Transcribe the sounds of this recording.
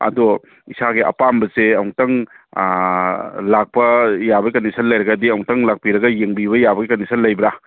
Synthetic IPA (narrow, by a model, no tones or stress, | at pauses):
ɐ̰do | isaɡeʔɐ̰pambɐseɐwŋtɐŋ | lak̚pɐjabɐikɐnisʰɐnlɐjɾɐɡɐdiɐwŋtɐŋlak̚piɾɐɡɐjeŋbiβɐjabɐɡikɐnisʰɐnlɐjbɾa